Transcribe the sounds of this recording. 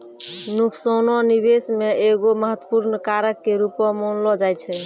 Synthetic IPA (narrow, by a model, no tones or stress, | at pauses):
nukʰsonɔnibesmeeɡoməɦət̪wə̥puɾnkaɾəkːeɾupɔmonlɔd͡ʒajt͡ʃʰɛ